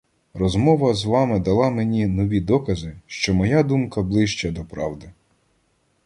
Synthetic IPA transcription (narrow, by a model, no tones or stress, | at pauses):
rɔzmɔʋɐzʋɑmɪd̪ɐlˠɑmenʲinɔʋʲid̪ɔkɐzɪʃt͡ʃɔmɔjad̪umkɐblˠɪʃt͡ʃɐd̪ɔpɾɑ̰wd̪ɪ